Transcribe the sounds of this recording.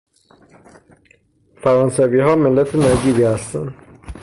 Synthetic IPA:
fæɾɑːnsæviːɦɒːmelːæt̪ʰenæɾɟiːɾihæst̪ʰæn

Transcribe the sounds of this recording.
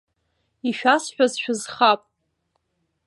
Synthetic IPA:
iʃᶣasħᶣazʃᶣʊzχapʼ

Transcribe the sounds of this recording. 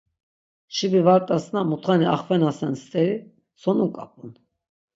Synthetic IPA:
ʃibivaɾt̪ʼasnamut̪χaniaχvɛnasɛnst̪ʼɛɾi | sɔnukʼapʼun

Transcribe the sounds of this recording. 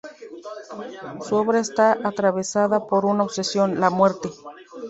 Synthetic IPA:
suo̞βɾaest̪aʔat̪ɾaβe̞saðapo̞ɾunaoβse̞sjo̞nlamwe̞ɾt̪e̞

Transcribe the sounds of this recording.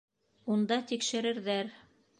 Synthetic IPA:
und̪ɑt̪ikʃɘ̆ɾɘ̆ɾðæɾ

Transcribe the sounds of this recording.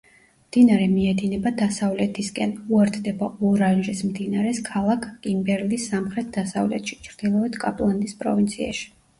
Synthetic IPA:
md̪̥inaɾɛmiɛd̪inɛbad̪asavlɛt̪ʰiskʼɛnuɛɾt̪ʰd̪ɛbaɔɾanʒismd̪inaɾɛskʰalˠakʰkʼimbɛɾlisːamχɾɛt̪̚ʰd̪asavlɛ̰t̪ʰʃi̥t͡ʃʰɾd̪̥ilˠɔɛt̪ʰkʼapʼlˠand̪ispʼɾɔ̰vint̪sʰia̰ʃi̥

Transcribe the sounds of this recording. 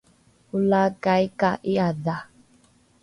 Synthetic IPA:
ulakaikaʔiada

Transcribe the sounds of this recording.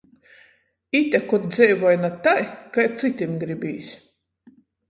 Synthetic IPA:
it̪ʲakɔt̪̚d̪zʲɛjvɔjnat̪ajkajt̪sɨt̪ʲimɡɾibʲiːsʲ

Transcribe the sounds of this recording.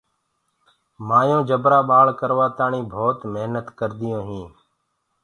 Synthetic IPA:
maːjõːd͡ʒəbɾaːɓaːɭkəɾʋaːt̪aːɳĩːbʱoːt̪məɦnət̪kəɾd̪ɪjõːɦĩː

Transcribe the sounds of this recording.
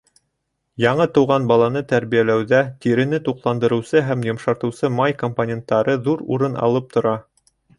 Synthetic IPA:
jɑɴɤt̪ŏwʁɑnbɑlˠɑnɤt̪æɾβijælæwðæt̪iɾɘ̆nɘt̪uqlˠɑnd̪ɤ̆ɾɤ̆wsɤɦæmjŏmʃɑɾt̪ɤ̆wsɤmɑjkomponʲe̞nt̪ːɑɾɤðuɾṵɾɤnʔɑ̰lˠɤp̚t̪ŏɾɑ

